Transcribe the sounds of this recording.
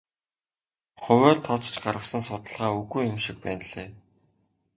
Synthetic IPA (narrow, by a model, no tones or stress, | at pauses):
χʊwæːɮt̪ʰːɔt͡st͡ɕɢaɾʁə̆χsə̆nsʊt̪ə̆ɮʁaːuɣujjʊmʃik̚pæːnɮeː